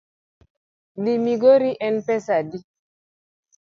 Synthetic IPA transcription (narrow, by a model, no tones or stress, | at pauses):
dimiɡoɾiʔɛnpɛsadi